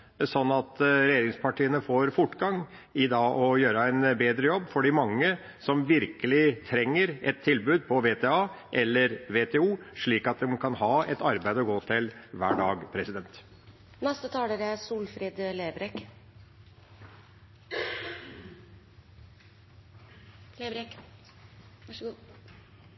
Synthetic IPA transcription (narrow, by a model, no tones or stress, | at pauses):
sɔnːɑt̪ɾɛjeːɾɪŋspʰɑʈʰiːənəfoːɾfʊʈːɡɑŋ | ɪd̪ɑːʔɔjøːɾəæɪnbeːd̪ɾəjɔbːfɔɖɪmɑŋːə | sɔmʋɪɾkəlɪt̪ʰɾɛŋːəɾʔɛt̪ʰːɪlbʉːd̪̚pʰɔʋeːt̪ʰɛːɑː | ʔɛlːəɾʋeːt̪ʰɛːuːʂɭiːkɑt̪̚d̪ɛmkʰɑnhɑːɛt̪ɑɾbæɪd̪əɔɡoːt̪ʰɪlʋæ̰ːɖɑːɡpʰɾɛsɪd̪ɛnt̪ | nɛst̪ət̪ʰɑːləɾəsuːlfɾid̪leːbɾɛk